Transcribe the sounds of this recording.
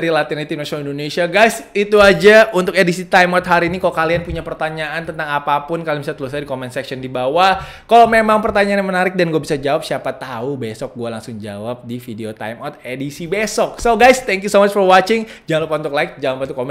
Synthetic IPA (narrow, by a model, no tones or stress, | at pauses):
ɾilat̪init̪inasonalindonesiaɡajsit̪uad͡ʒaunt̪ʊkedisit̪ajmɔt̪̚ɦaɾiːnikalokalianpuɲapərt̪aɲaʔant̪ənt̪aŋapapʊnkalimis̬alt̪əlusadikomɛnsɛksiɔndibawah | kalomemaŋpərt̪aɲaanɲamənaɾɪk̚danɡuabisad͡ʒawap̚siapat̪aubesɔk̚ɡualaŋsʊŋd͡ʒa̰wap̚difideot̪a̰jmɔt̪̚edisibesɔk̚soɡajst̪ɛŋkjusomat͡ʃfɔrwat͡ʃɪŋd͡ʒaŋanlupaunt̪ʊklaɪk̚d͡ʒawampat̪ukomɛ